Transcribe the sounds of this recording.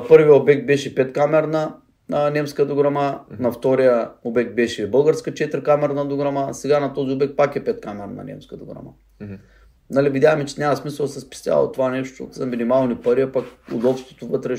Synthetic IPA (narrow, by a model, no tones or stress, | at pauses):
pɤɾvijəobɛk̚t̪̚bɛʃɛpɛt̪kamɛɾnɐ | nɐnʲɛmskəd̪oɡɾɐmanɐft̪ɔɾijəobɛk̚t̪̚bɛʃɛbɤlˠɡəɾskət͡ʃɛt̪əɾkamɛɾnɐd̪oɡɾɐmasɛɡanɐt̪ɔziobɛk̚t̪pakɛpɛt̪̚kamɛɾnɐ̰nʲɛ̰mskəd̪oɡɾa̰ma̰ | nalivid̪ʲaxmɛt͡ʃɛ̥nʲamɐsmisɐlˠsɛspi̥st̪ʲja̰l̰ˠo̰t̪ovanɛʃt̪o̰zɐminimalˠnipɐɾiɐpakʊ̰d̪ɔfst̪vo̥t̪ovɤt̪ɾɛ